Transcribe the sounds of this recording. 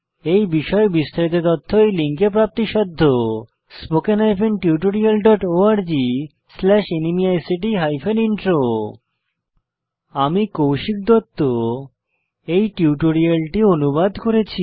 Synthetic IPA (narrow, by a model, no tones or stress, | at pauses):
ejbiʃɔebist̪ʰaɾit̪̬et̪ɔt̪ʰːoejliŋkep̬ɾap̚t̪iʃɔd̪ʱːo | spokenɦajpʰenʈiuʈoɾialɖɔʈoaɾd͡ʑi | slɛʃenimiajsiʈiɦajpʰeniɳʈɾo | amikowʃik̚d̪ot̪ːo | ejʈiuʈoɾialʈionubad̪ʱkoɾet͡ɕʰi